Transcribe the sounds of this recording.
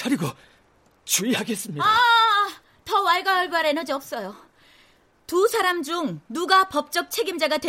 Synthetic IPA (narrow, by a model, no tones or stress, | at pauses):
t͡ɕʰaɾiɡo | t͡ɕuihaɡe̞s͈ɯmɲia | tʌwaɭɡajʌɭbaɾenʌd͡ʑiʌp̚s͈ʌjo | tusʰaɾamd͡ʑuŋnuɡapʌp̚t͡ɕ͈ʌk̚t͡ɕʰe̞ɡimd͡ʑaɡadwe